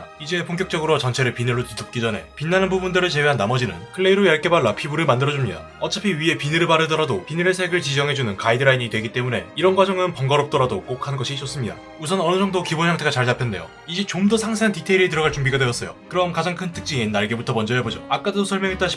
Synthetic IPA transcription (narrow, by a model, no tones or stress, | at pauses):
id͡ʑe̞pʰoŋkjʌk̚t͡ɕ͈ʌɡɯɾot͡ɕʌnt͡ɕʰe̞ɾɯɭpinɯɭːotɯdʌt̚k͈id͡ʑʌne̞̰pinːanɯnbubundɯɾɯɭt͡ɕe̞weɦanːamʌd͡ʑinɯ̰nkʰɯɭːe̞iɾojaɭk͈ʰe̞baɭːapʰibuɾɯɭmandɯɾʌd͡ʑumɲida̰ | ʌt͡ɕ͈ʌpʰiɥie̞pinɯɾɯɭpaɾɯdʌɾadopinɯɾesʰeɦeɡɯɭt͡ɕid͡ʑʌŋɦe̞d͡ʑunɯnkaidɯɾaiɲidwe̞ɡit͈e̞mune̞iɾʌnɡwad͡ʑʌŋɯnpʌŋɡʌɾʌp̚t͈ʌɾadok͈ok̚ʰhanɡʌɕʰiɕ͈ʌs͈ɯmɲida̰ | usʰʌnʌnɯd͡ʑʌŋdokibonçjaŋtʰeɡat͡ɕaɭtapʰjʌnde̞jo̰ | id͡ʑit͡ɕomdʌsʰaŋsʰeantitʰeiɾit̬ɯɾʌɡaɭt͡ɕuŋbiɡadwe̞jʌs͈ʌjo̰kɯɾʌnkad͡ʑaŋkʰɯntʰɯ̥k̚t͡ɕ͈iŋinːaɭɡebutʰʌmʌnd͡ʑʌɦebod͡ʑoak͈adadosʰʌɭmjʌŋɦet͈anɕʰi̥